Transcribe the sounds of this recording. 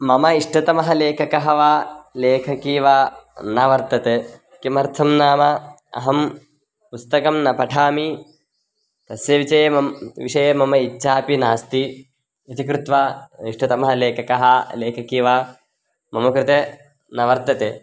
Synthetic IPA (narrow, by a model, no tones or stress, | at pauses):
mɐmɐiʂʈɐt̪ɐmɐɦɐleːkʰɐkɐɦɐʋaːleːkʰɐkiːʋaːnɐʋɐɾt̪ɐt̪e | kimɐɾt̪ʰɐmnaːmɐ | ɐ̰ɦɐm | pust̪ɐkɐmnɐpɐʈʰaːmi | t̪ɐsjɐʋit͡ʃɐjemɐʋiʂɐjemɐmɐitːʃaːpinaːst̪i | ɐt̪ikɾut̪ʋaːiʂʈɐt̪ɐmɐɦɐleːkʰɐkɐɦɐleːkʰɐkiːʋaː | mɐmɐkɾɪt̪e | nɐʋɐɾt̪ɐt̪eː